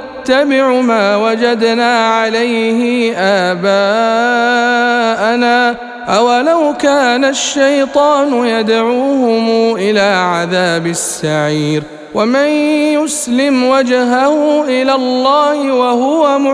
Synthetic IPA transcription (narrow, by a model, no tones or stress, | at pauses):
t̪ːabɪʕʊmaːwad͡ʒad̪naːʕalajhɪʔaːbaː | ʔanaː | ʔawalawkaːnaʃːajt̪ˤɑːnʊjad̪ʕuːhʊmuːʔɪlaːʕaðaːbɪsːaʕiːɾ | wamanjʊslɪmwad͡ʒɦahuːʔɪlaːlˤːɑːhɪwahʊwamʊ